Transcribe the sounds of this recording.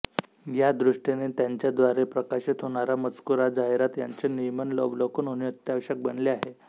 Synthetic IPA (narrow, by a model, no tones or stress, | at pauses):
jad̪ɾuʂʈenet̪jaɲt͡ɕjad̪ʋaɾepɾəkaɕit̪ɦoɽ̃aɾamət͡skuɾad͡zaɦeɾat̪ja̰ɲt͡senijmənlɔ̰blokuːnɦoñiət̪jaʋɕək̚bənleaɦe